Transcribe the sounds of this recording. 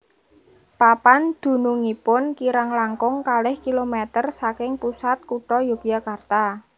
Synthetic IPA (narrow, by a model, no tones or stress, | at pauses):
papand̪̥ṳnuŋipʊnkiɾaŋlaŋkʊŋkalɪhkilomɛt̪ərsakɪŋpusat̪̚kuʈɔjoɡjakart̪a